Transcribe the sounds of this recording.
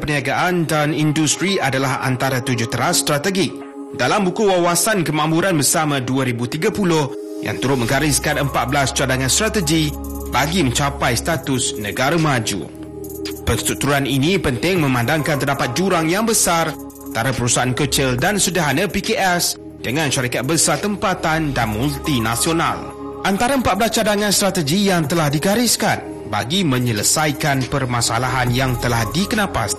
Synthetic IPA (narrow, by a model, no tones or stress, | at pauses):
pəniaɡaʔandanindust̪ɾiadalaha̰nt̪aɾat̪ud͡ʒʊht̪əɾast̪ɾat̪əɡɪk̚ | dalambukuwawasankəmãʔmpuɾanbərsamãduaɾibut̪iɡapulʊh | ja̰ŋt̪uɾʊt̪̚mə̃ŋɡaɾɪskanəmpat̪̚bəlast͡ʃadaŋanst̪ɾat̪əd͡ʒi | baɡimə̃ɲt͡ʃapajst̪at̪ʊsnə̃ɡaɾamãd͡ʒṵ | pəst̪ut̪uaninĩpənt̪ɪŋmə̃mãndaŋkant̪ərdapat̪̚d͡ʒuɾaŋjaŋbəsar | ant̪aɾapəɾusaʔankət͡ʃɪldansudaɦanapikeʔɛs | d̥əŋãnʃaɾikat̪̚bəsat̪əmpat̪andanmult̪inasiona̰l | ʔant̪aɾaəmpaʔ̚bəlat͡ʃadaŋãnst̪ɾat̪əɡijaŋt̪əlahdiɡaɾiskan | ba̰ɡimə̃ɲələsajkanpərmãsa̰laɦanjaŋt̪əlahdikənãpa̰s